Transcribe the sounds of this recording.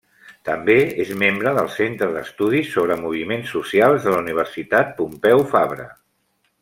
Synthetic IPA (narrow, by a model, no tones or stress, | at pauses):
t̪əmbeezmembɾəðəlˠsent̪ɾəðəst̪uð̞isːoβ̞ɾəmuβ̞imensːusialˠzðələuniβ̞ərsit̪at̪̚pumpɛwfaβɾə̰